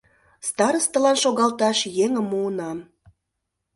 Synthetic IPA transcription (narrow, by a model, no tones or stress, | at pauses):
st̪ɑɾəst̪ə̆lɑnʃoɣɑlt̪ɑʃjeŋə̆mːuənɑm